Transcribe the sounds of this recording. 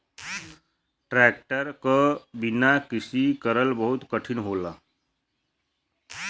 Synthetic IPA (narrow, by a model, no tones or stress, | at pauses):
ʈɾɛːk̚ʈəɾkəbinakɪsikəɾəlbəɦʊt̪kəʈʰinɦoːla